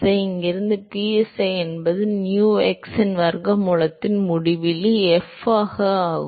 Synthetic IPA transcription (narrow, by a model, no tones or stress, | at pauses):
ɐɪɪŋɡɪɾɯnd̪ɯpiːɛsɐɪɛnbɐðɯnjuːɛksɐnʋɐɾɡɐmuɭɐt̪ːɪnmʊɽɪʋɪliɛfaːɣɐaːɣɯ